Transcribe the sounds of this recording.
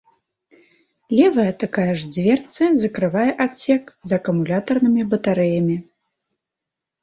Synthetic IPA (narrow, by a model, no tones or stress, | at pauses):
lʲɛvɐjɐt̪akajɐʐd͡zʲvʲɛrt̪sɐzɐkɾɨvajɛʔat͡sʲɛkzɐkɐmulʲat̪ɐrnɨmʲibɐt̪aɾɛjɐmʲi